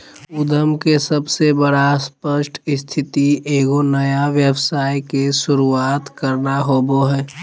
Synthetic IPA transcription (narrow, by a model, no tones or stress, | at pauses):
ʊd̪ʱəmkesəbsebəɽaspəʃʈʰɪst̪ʰɪt̪iʔeːɡonəjaʋjəʋsaːjkeʃʊɾuaːt̪kəɾnaɦoːboɦɛː